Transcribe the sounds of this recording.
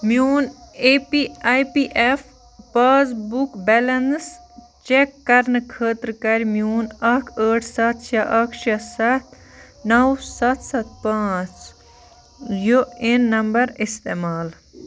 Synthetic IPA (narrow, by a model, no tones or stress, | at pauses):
mjuːnepiajpiʔefʰ | paːzbukbɛlɐns | t͡ʃekːɐɾnɨkʰəːt̪ɾkɐɾʲmjuːnɐkʰəːʈʰsɐt̪ʰt͡ʃʰɐʔɐkʰt͡ʃʰɐsɐt̪ʰ | nɐwsɐt̪ʰsɐt̪̚ʰpãːt͡s | joenːɐmbɐɾist̪eːmaːl